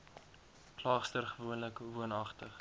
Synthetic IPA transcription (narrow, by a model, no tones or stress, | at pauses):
klɑːχstərχəvuənləkvuənɐχtəχ